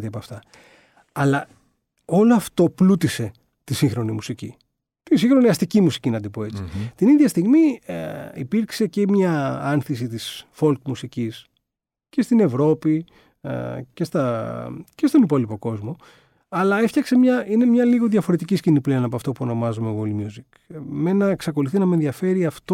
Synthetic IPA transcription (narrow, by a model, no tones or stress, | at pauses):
t̪iɐpoɐft̪ɐ | ɐlɐ | o̞loɐft̪o̞plut̪ise̞ | t̪isĩŋxɾo̞nimusicḭ | t̪insiŋxɾo̞niɐst̪icimusi̥cinɐd̪ipo̞e̞t͡si̥t̪iniðʝɐst̪iɣmi | ḭpiɾkse̞cemɲɐɐnθisit̪isfo̞lk̪musicis | ce̞st̪ine̞vɾo̞pḭ | ce̞st̪ɐce̞st̪o̞nipo̞lipo̞ko̞zmo̞ | ɐlɐefçɐkse̞mɲɐine̞mɲɐliɣo̞ðʝɐfo̞ɾe̞t̪iciscinipleonɐpoɐft̪opuo̞no̞mɐzumeɣolmjuzik | me̞nɐeksɐko̞luθinɐmenðʝɐfe̞ɾiɐft̪o